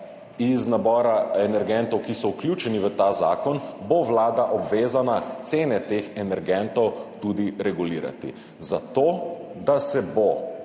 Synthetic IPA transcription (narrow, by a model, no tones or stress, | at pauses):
iznabɔːɾaɛnɛɾɡɛnt̪ɔwkisɔuklʲjut͡ʃɛniʋət̪azaːkɔnboʋlaːd̪aʔɔbʋeːzanat̪seːnɛt̪eːxɛnɛɾɡɛnt̪ɔwt̪ud̪iɾɛɡuliːɾa̰t̪ḭ | zat̪oːd̪asɛbo